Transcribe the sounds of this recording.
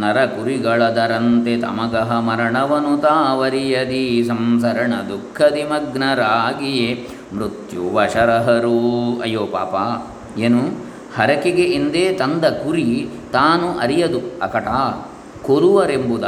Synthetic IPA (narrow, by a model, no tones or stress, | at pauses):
nɐɾɐkuɾiɡɐɭɐd̪ɐɾɐnt̪et̪ɐ̰mɐɡɐɦɐmɐɾɐɳɐʋɐnut̪aːʋɐɾijɐd̪isɐmsɐɾɐɳɐd̪ukʰːɐd̪imɐɡnɐɾaːɡije | mɾut̪juʋɐʃɐɾɐɦɐɾuɐ̰joːpa̰ːpaː | eːnu | hɐɾɐkeɡeʔind̪eːt̪ɐnd̪ɐkuɾit̪aːnuʔɐɾijɐd̪uɐ̰kɐʈaː | koɾuʋɐɾembud̪a